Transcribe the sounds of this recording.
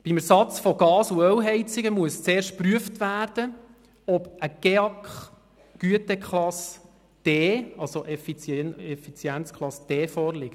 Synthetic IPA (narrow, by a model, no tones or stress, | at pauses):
b̥imæsɑt͡sfɔɡɑːsuɛlɦɛɪt͡sɪɡəmuəst͡seːɾʃt̚pɾyəftʋæːɾd̥ə | ɔb̥ʔəɡ̥eɑkχ | ɡ̥yətɛkʰχlɑs | d̥eːɑlsoʔɛfit͡sɛnɛfit͡sjɛnt͡sklˠɑsd̥ɛːfɔːɾlɪkt